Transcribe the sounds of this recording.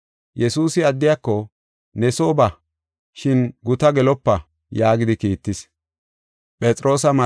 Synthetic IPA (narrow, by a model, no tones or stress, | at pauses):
jɛsuːsɪɐd̪ːɪjakːɔ | nɛso̞ːbɐ | ʃɪnɡʊt̪ɐɡɛlɔpːɐ | jaːɡɪd̪ɪkiːt̪ːɪs | pʼɛt͡sʼɾo̞ːsɐmɐ